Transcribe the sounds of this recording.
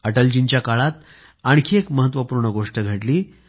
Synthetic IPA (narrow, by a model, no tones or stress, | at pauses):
əʈəld͡ʑint͡ɕjakaɭat̪ | aɳkʰiekməɦət̪ʋəpuɾɳəɡoʂʈəɡʱəʈliː